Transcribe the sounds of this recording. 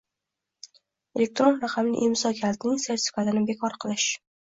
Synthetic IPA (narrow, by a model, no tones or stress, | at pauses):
e̞lek̚t̪ɾo̞nɾaqʰɑmnɪ̰ʔemsɒkʲʰalt̪nɪŋse̞ɾt̪ʰɪ̥fʲi̥kʰat̪ɪnɪbe̞kʰɒɾqʰɨlˠɪʃ